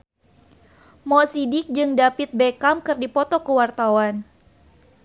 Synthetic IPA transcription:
mɔsidɪk̚d͡ʒɨŋdapit̪̚bekamkɨrdipɔt̪ɔkəwart̪awan

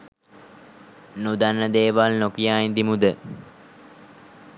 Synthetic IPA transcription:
nud̪anːəd̪eːʋalnokijaːind̪imud̪ə

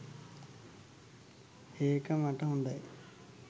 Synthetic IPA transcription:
eːkɐmaʈɐuɳɖaːj

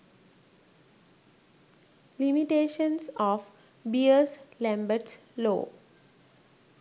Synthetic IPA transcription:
limiʈeːʃə̃nsɔːʋ | biəslæ̃mbəʈslo̰ː

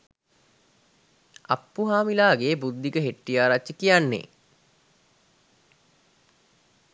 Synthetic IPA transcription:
apːuɦaːmilaːɡeːbud̪ːikəɦeʈːijaːɾat͡ʃːəkijanːḛː

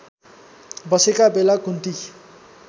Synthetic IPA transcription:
bʌsekabelakunt̪i

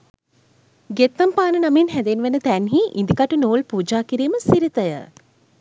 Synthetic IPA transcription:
ɡet̪ːampaːnənaminɦæd̪enʋænət̪ænɦiʔind̪ikaʈunoːlpuːd͡ʒaːkiɾiːməsiɾit̪əjə̰

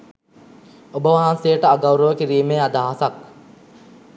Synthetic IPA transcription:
obəʋaɦansejəʈəaɡawɾəʋəkiɾiːmeːad̪aːɦasak̚

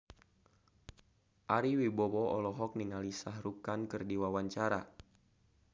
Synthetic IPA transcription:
ʔaɾiwibɔwɔɔlɔɦɔk̚niŋalisahrukankɨrdiwawaɲt͡ʃaɾa

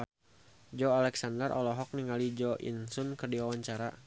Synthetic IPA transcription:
d͡ʒɔalɛksandərʔɔ̰lɔɦɔk̚niŋalid͡ʒɔʔḭnsunkərdiwawaɲt͡ʃaɾa

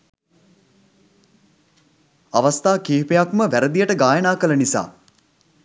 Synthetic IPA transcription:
aʋast̪aːkiːpejakməʋæɾəd̪ijəʈəɡaːjənaːkələnisa̰ː

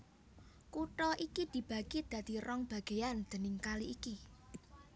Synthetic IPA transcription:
kuʈɔʔikid̪̥i̤b̥ä̤ɡid̪̥ä̤d̪̥i̤ɾɔŋb̥ä̤ɡ̥e̤and̪̥ə̤nɪŋkaliːki

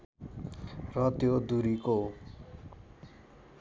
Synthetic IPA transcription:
rʌt̪jod̪uɾiko

